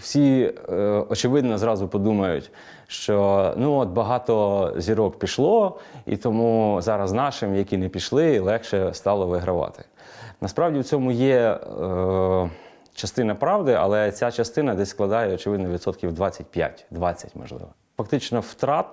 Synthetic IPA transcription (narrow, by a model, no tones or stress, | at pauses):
w̥sʲi | ɔt͡ʃɪʋɪd̪nɔzɾɑzʊpɔd̪umɐjʊtʲ | ʃt͡ʃɔnuɔt̪̚bɐɦɑt̪ɔzʲiɾɔkpʲiʃlˠɔḭt̪ɔmuzɑɾɐznɑʃɪmjɐkʲinɛpʲiʃlˠɪlˠɛxʃɛst̪ɑlˠɔʋɪɦɾɐʋɑ̰t̪ɪ̥ | nɐspɾɑwdʲiwt͡sʲɔmʊjɛ | t͡ʃɐst̪ɪnɐpɾɑwd̪ɪʔɐ̰lˠɛt͡sʲat͡ʃɐst̪ɪnɐd̪ɛsʲsklˠɐd̪ɑjɛɔt͡ʃɪʋɪd̪nɔʋʲid̪sɔt̪kʲiwd̪ʋɑt͡sʲːɐtʲpʲja̰tʲd̪ʋɑt͡sʲːɐtʲmɔ̰ʒlˠɪ̰ʋɔ | fɐk̚t̪ɪt͡ʃnɔwt̪ɾɑt̪̚